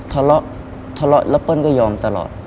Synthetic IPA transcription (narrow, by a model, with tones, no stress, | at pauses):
t̪ʰa˧lɔ˦˥ʔ | t̪ʰa˧lɔ̰˦˥ʔ̚lɛ˦˥pɤ˦˥˨nkɔː˥˩jɔː˧mt̪a˧lɔ̰ː˨˩t̪̚